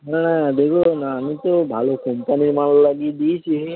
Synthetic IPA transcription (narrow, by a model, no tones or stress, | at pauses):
ɦɛnad̪ekʰuonaːmit̪obʱalokompaniɾmanlolaɡid̪ijt͡ʃʰi